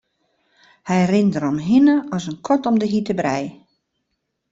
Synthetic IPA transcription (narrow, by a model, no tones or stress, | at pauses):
hɛjrɪndəɾɔmɦinəɔsənkʰɔtɔmdəɦitəbrɛj